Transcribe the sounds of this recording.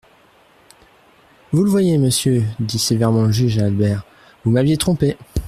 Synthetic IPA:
vuləvwajeməsjød̪isevɛʁmɑ̃ləʒyʒaːlbɛʁ | vumavjet̪χɔ̃pe

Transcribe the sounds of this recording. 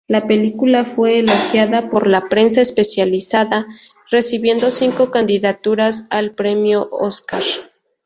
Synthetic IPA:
lape̞likulafwe̞ːloxjaðapo̞ɾlapɾe̞nsaespe̞sjalisaða | re̞siβje̞nd̪o̞siŋko̞kand̪iðat̪uɾasalpɾe̞mjo̞ʔo̰skaɾ

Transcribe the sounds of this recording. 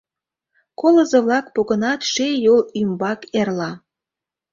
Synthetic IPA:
koləzəβlɑkpoɣənɑt̪ʃejolymbɑkerlɑ

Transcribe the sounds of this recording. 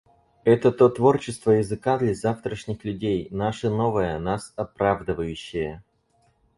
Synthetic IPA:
ɛt̪ət̪o̞t̪vo̞rt͡ɕɪst̪vəjɪzɨkad̪lʲazaft̪ɾəʂnʲɪxlʲʉdʲejnaʂəno̞vəjənasɐpɾavd̪ɨvəjʉɕːɪjə

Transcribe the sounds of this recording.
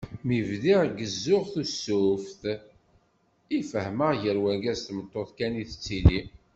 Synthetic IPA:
mivðiʁɡəzːʊʁθusːʊfθ | ifəhməʁʝəɾwæɡæzt̪mət̪ˤːoθkæniθə̥t͡sːili

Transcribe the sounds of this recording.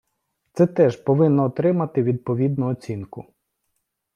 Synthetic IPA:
t̪sɛt̪ɛʒpɔʋɪnːɔːt̪ɾɪmɐt̪ɪʋʲid̪̚pɔʋʲid̪̚nʊɔt͡sʲinkʊ

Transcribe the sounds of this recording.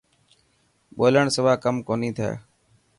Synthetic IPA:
ɓoːləɳ̃səʋaːkəmkoːnĩːt̪ʰaa̰ː

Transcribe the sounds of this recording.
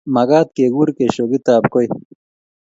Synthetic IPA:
mɐɡaːt̪̚keːɡuːɾkeɕoɡit̪aːpkoj

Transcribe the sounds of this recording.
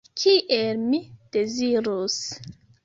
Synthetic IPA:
kʰiʔelmid̥e̞ziɾus

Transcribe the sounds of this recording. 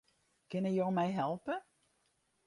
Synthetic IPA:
kɪnəjoːmɛjɦɛlˠpə

